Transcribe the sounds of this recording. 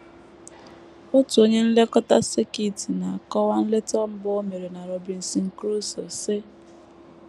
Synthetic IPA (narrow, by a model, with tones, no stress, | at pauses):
ʊ˦tu˨o˦ɲe˦n̩˦le˦kɔ˦ta˦sɪ˦ki˦˨ti˨na˨a˨kɔ˦wa˦n̩˦le˦tɔ˦m̩˦bɔ˦o˦me˨ɾe˨na˨ɾɔ˨bi˨n̩˨si˨ŋ̩˨kɾu˦sɔ˨sɪ˦